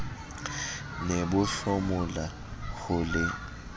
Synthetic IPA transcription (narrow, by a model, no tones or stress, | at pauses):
nebʊɬɔmʊla | ɣʊlɪ